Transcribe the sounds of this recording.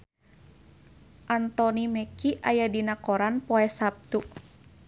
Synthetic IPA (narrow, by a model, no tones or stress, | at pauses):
ʔant̪ɔnimɛkiʔajadinakɔɾanpɔɛsap̚t̪uʔ